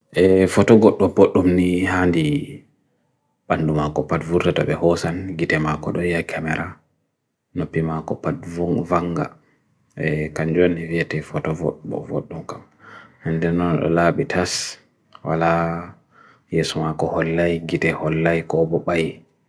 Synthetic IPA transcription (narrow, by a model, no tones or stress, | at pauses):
ʔɛfɔtɔɡɔɗːɔboɗːumnihandi | ɓandumakɔpatvuɾtatɔ̰ɓɛhɔsanɡitɛmakɔɗɔjakʰamɛɾʔa | nopːimakɔpatvuŋvaŋɡa̰ | ʔɛkaɲd͡ʒanːiviɛtɛfɔtɔvo̰ɗbɔ̰vo̰ɗːumkam | hɛndɛnːɔnɗɔ̰laːɓitʰas | wa̰la | jesumakɔhɔlːajɡitɛhɔlːajkɔbɔɓaj